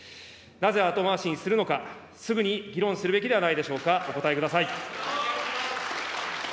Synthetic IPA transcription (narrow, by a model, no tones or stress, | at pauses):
naze̞at̪o̞maɕĩɰ̃sɨɾɯ̟no̞ka | sɨɡɯ̟ɲ̟iɡʲiɾõ̞ɰ̃sɨɾɯ̟be̞kʲid̪e̞anaid̪e̞ɕo̞ːkao̞ko̞t̪aekɯd̪asai